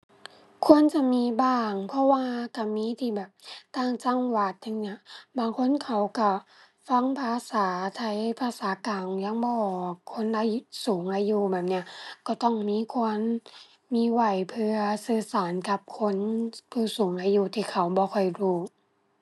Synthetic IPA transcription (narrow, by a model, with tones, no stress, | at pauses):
kʰu˧˥˨ə˨nt͡ɕa˧˨miː˧˥˨baː˧˩ŋpʰɔ˧˥waː˧ka˧˩miː˧˥˨t̪ʰiː˧˩bɛː˨˩p̚t̪aː˧˩ŋt͡ɕa˧ŋwa˧˩t̪̚ha˧˨ŋɲi˧˩ɐ˨baː˨˩ŋkʰo˧˥˨nkʰa˨˩wka˧˩ | fa˧˥˨ŋpʰaː˧saː˨˩˦t̪ʰa˧˩jpʰaː˧saː˨˦kaː˨˩ŋjaː˧˦ŋbɔː˧˩kʰo˧˥˨nʔaː˧jsuː˨˩˦ŋʔaː˧juː˧bɛː˨˩p̚ni˧˩ɐ˨kɔ˧˩t̪ɔ˧˩ŋmiː˧˥˨kʰu˧ən | miː˧˩˨wa˧˩jpʰɯ˧ɐsɯː˧˩saː˨˦nka˧˦p̚kʰo˧˥˨npʰuː˧˩suː˨˦ŋʔaː˧juː˧t̪ʰiː˧˩kʰa˨˩wbɔː˧˦kʰɔ˧˩jduː˧˩